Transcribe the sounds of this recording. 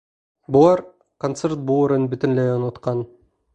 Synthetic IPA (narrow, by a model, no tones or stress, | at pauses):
bulˠɑɾ | kont̪sert̪̚buːɾɯnbit̪ɪnlejonot̪qɑn